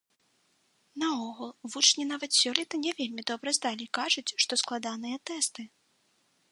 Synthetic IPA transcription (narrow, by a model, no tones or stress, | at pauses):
nɐɔɣulˠvut͡ʂnʲinavɐt̪sʲɔlʲɛt̪ɐnʲɛvʲelʲmʲid̪ɔbɾɐzd̪alʲikaʐut͡sʲʂt̪ɔsklˠad̪anɨjɐt̪ɛst̪ɨ